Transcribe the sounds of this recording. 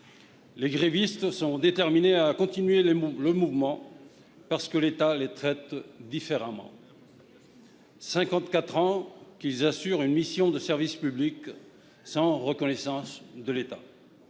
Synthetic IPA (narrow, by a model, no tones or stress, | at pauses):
leɡʁevist̪sɔ̃d̪et̪ɛʁmineakɔ̃t̪inɥelləmuvmɑ̃ | paʁsə̥kəlet̪alet̪χɛt̪d̪ifeʁamɑ̰̃ | sɛ̃kɑ̃t̪kat̪χɑ̃kilzasyʁynmisjɔ̃d̪əsɛʁvispyblik | sɑ̃ʁəkɔnɛsɑ̃sd̪əlet̪a